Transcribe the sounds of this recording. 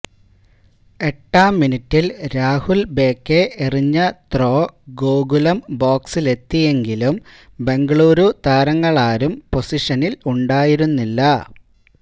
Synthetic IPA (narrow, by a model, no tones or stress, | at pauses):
e̞ʈːaːmːinitːilɾaːhulbe̞ːkːeiriɲːɐt̪ro̞ːɡoːɡulɐmboːksile̞t̪ːije̞ŋɡilumbe̞ŋɡɐɭuːɾut̪aːɾɐŋːɐɭaːɾumpo̞siʂɐniluɳɖaːjiɾunːilːɐ